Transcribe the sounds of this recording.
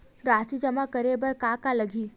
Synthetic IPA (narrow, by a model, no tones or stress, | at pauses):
ɾaːsid͡ʒəmakəɾebəɾkakaləɡʱiː